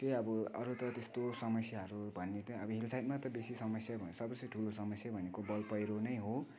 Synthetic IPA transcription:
t̪eʌbʌʌ̰ɾut̪ʌt̪est̪osʌmʌsjaɦʌɾubʱʌnːet̪ʌʌbʌɦilsajʈmat̪ʌbesisʌmʌsjabʱʌnsʌbʌsʈʰulosʌmʌsjabʱʌnekobʌlpʌjɾonʌjɦo

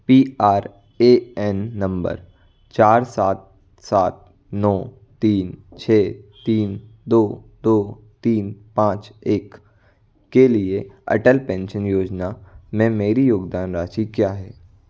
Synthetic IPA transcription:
piːaːɾ | eɛnːə̃mbə̰ɾ | t͡ʃaːɾsaːt̪̚ | saːt̪̚ | nɔː | t̪iːnt͡ʃʰɛːt̪iːnd̪oːd̪oː | t̪iːnpãːt͡ʃeːkː | elieɐ̰ʈəlpɛ̃ːnʃənjoːd͡ʒnamɛ̃meːɾijoːɡd̪aːnɾaːt͡ʃikjaːɦɛː

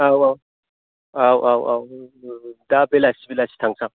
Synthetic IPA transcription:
awaw | awʔawʔaw | dabɛlasibilasi̥taŋka

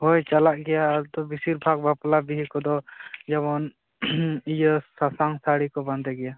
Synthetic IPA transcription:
hojt͡ʃalaʔɡɛjaɾd̪ɔbisiɾbʱaɡ̚baplabiɦikɔd̪ɔd͡ʒɛβɔn | ijəsasaŋsaɽikɔbãnd̪ɛɡɛja

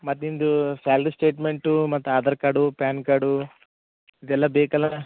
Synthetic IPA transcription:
mɐt̪ːind̪usaːlɾisʈe̞ːʈmeɳʈumɐt̪ːuaːd̪ɐɾkɐɽupaːnkɐɽu | id̪ɛlːɐbeːkɐlɐna

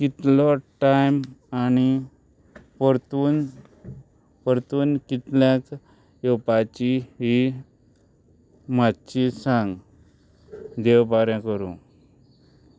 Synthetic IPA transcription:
kit̪lɔʈajmani | pəɾt̪uːn | pəɾt̪uːnkit̪ljãk | jɔpat͡ɕiɦi | matt͡ɕisãŋɡ | d̪ewpaɾjãkəɾṵ̃

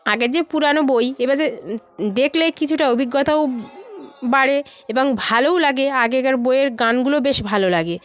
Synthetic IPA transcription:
aɡeɾd͡ʑepuɾanobojebad͡ʑed̪ekʰlekit͡ɕʰuʈaobʱiɡːot̪ao | baɽeeboŋbʱalowlaɡeaɡeɛɡaɾbojeɾɡanɡulobeʃbʱalolaɡe

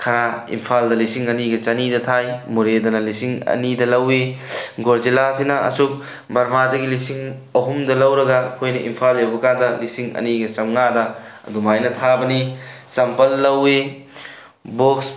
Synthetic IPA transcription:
kʰɐɾaḭmpʰaldɐlisiŋɐniɡɐt͡ʃɐnidɐtʰajmuɾedɐnɐlisiŋɐ̰nidɐlɐwiɡoɾd͡ʒilasinɐɐ̰suk̚ | bɐɾmadɐɡilisiŋ | ɐɦumdɐlɐwɾɐɡɐkʰojnɐʔḭmpʰaljewbɐkandɐlisiŋɐ̰niɡɐt͡ʃɐmŋadɐɐ̰dumajnɐtʰabɐnisɐmpɐlːɐwi | boks

